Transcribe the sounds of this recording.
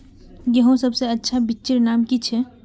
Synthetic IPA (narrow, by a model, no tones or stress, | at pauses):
jɐɦõsɐbseɐtːʃʰabɪtːt͡ʃɪɾnaːmkit͡ʃʰɛ